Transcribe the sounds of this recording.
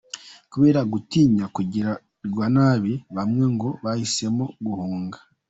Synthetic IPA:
kuβe̞ːɾaɡutiːɲakuɟiɾa | ɾɡwanaβiβamŋe̞ŋɡo̞βahise̞moɡuhuːŋɡa

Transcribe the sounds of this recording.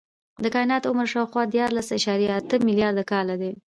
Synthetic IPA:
d̪əkɑjnɑt̪ʊməɾʃɑwxwɑd̪jɑɾlasaʃɑɾjaːt̪əmɪljɑɾd̪akɑlad̪e

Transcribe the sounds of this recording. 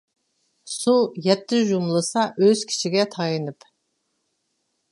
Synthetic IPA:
sujɛt̪ːɪʒumlˠɨsɑʔøz̥kʲʰi̥t͡ʃʰiɡʲɛt̪ʰɑjɨnɨp

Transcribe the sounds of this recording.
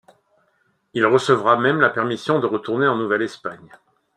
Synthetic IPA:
ilʁəsəvʁamɛmlapɛʁmisjɔ̃d̪əʁət̪uʁneɑ̃nuvɛlɛspaɲ

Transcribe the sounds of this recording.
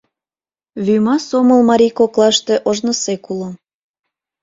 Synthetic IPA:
βymɑsoməlmɑɾʲikoklˠɑʃt̪eʔoʒnə̆sekulo

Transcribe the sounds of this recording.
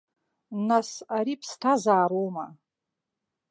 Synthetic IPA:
nasaɾipʰstʰazaːɾoma

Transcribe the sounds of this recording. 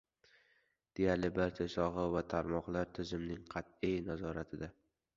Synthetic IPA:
d̪̥e̞jalɪbaɾt͡ʃʰasɒʁɨvat̪ʰaɾmɒqlˠaɾt̪ʰɪzɪmnɪŋqʰɑt̪ijnazɒɾat̪ʰɪd̪a

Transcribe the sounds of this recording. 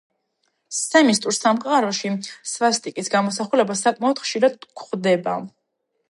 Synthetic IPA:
ssɛmist̪ʼuɾsamqʼaɾɔʃisvast̪ʼikʼisɡamɔsaχulɛbasakʼmaɔd̪̥χʃiɾad̪̚kʰχd̪ɛba̰

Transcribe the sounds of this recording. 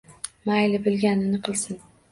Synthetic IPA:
majlɪbɪlɡʲanɪnɪqʰɨlˠsɪn

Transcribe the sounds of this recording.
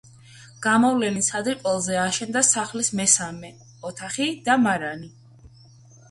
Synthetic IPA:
ɡ̥amɔvlɛnisʰad̪ɾkʼɔlˠzɛaʃɛnd̪asaχlismɛsamɛ | ɔt̪ʰaχid̪amaɾani

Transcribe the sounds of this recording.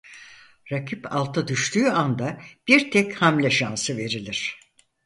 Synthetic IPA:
ɾakʰipa̰lˠt̪ʰad̪yʃt̪ʰyːand̪ab̥iɾt̪ʰɛchamlʲɛʃansɯve̞ɾilʲiɾ̝̥

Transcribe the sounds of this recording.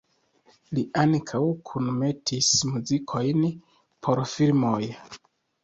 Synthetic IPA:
liʔaŋkʰawkʰunme̞tʰismuzikʰo̞jn | pʰo̞ɾfilmoj

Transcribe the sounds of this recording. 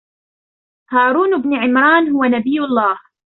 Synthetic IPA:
haːɾuːnbnʕɪmɾˤɑːnhʊwanabɪjːʊlˤːɑːh

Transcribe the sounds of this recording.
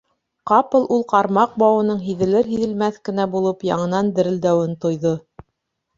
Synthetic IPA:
qɑpɤ̆lˠulˠqɑɾmɑq̚bɑwɤ̆nɤɴɦiðɘ̆lɘɾɦiðɘ̆lmæθkɘ̆næbulˠɤpjɑ̰ɴɤ̆nɑnd̪ɘ̆ɾɘ̆ld̪æwɘnt̪ŏjðo

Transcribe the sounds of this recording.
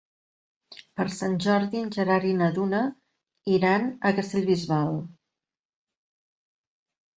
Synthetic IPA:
pəɾsanʲʒɔɾðiənʲʒəɾaɾinəðunə | iɾanəkəst̪eʎβizβalˠ

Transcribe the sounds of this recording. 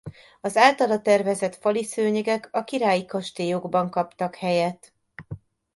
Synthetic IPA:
ɒzaːlt̪ɒlɒt̪ɛrvɛzɛt̪fɒlisøːɲɛɡɛkɒkiɾaːjikɒʃt̪eːjoɡbɒŋkɒpt̪ɒkhɛjɛt̪

